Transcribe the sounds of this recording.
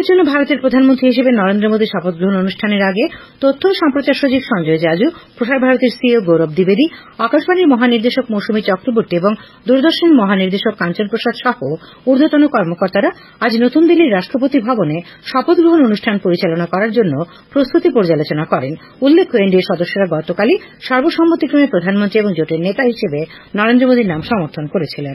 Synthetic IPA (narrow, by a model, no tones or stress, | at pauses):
ɾd͡ʑonːobʱaɾot̪eɾpɾod̪ʱanmõnt̪ɾiɦiʃebenɔɾend̪ɾomod̪ʱiʃɔpot̪̚ɡɾoɦononuʃʈʰaneɾaɡe | t̪ot̪ʰːoʃɔmpɾot͡ɕaɾʃod͡ʑibʃɔŋd͡ʑoed͡ʑad͡ʑupɾoʃaɾbʱaɾot̪eɾsioɡoɾob̚d̪ibed̪iakaʃbaniɾmɔɦaniɾd̪eʃokmoʃumiɾt͡ɕɔkɾobuɾʈieboŋ | d̪uɾd̪oɾʃonemɔɦaniɾd̪eʃokːant͡ɕonpɾoʃad̪ʃɔho | uɾd̪ʱot̪onokɔɾmokɔɾt̪aɾa | ad͡ʑnot̪und̪ilːiɾːaʃʈɾopot̪ibʱɔbone | ʃɔpod̪̚ɡɾoɦononuʃʈʰanpoɾit͡ɕalonakɔɾaɾd͡ʑonːo | pɾost̪ut̪ipoɾd͡ʑalot͡ɕonakɔɾen | ulːekʰːoeɳɖieɾʃɔd̪oʃːoɾaɡɔt̪okali | ʃɔɾboʃɔmːot̪ːikɾomepɾod̪ʱanmont̪ɾieboŋd͡ʑoʈeɾnet̪aɦiʃebe | nɔɾend̪ɾomod̪ʱiɾnamʃɔmoɾt̪ʰonkoɾet͡ɕʰilen